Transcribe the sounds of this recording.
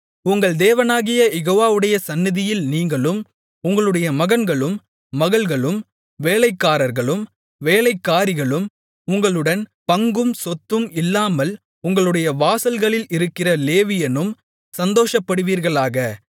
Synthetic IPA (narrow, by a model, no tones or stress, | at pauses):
ʊŋɡɐɭd̪eːʋɐnaːɣɪjɐjɛɣoːʋaːʋɯɽɐjɐsɐnːɪðɪjɪlniːŋɡɐɭɯm | ʊŋɡɐɭɯɽɐjɐmɐɣɐnɡɐɭɯmː | ɐɣɐɭɣɐɭɯm | ʋeːɭɐɪkːaːɾɐɾɣɐɭɯm | ʋeːlɐɪkːaːɾɪɣɐɭɯm | ʊŋɡɐɭɯɽɐnpɐŋɡɯmsɔt̪ːɯmɪlːaːmɐl | ʊŋɡɐɭɯɽɐjɐʋaːsɐlɣɐɭɪlɪɾɯkːɪrɐleːʋɪjɐnɯm | sɐnd̪oːʂɐpːɐɽɯʋiːɾɣɐɭaːɣɐ